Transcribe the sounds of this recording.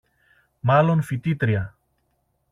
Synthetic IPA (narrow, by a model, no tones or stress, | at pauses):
mɐlo̞nfit̪it̪ɾiɐ